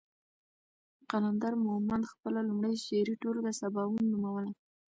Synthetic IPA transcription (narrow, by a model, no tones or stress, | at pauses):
qaland̪ɑɾmʊhmand̪xpəlalumɽajʃeɾiʈold̪əsabɑwunːumawəla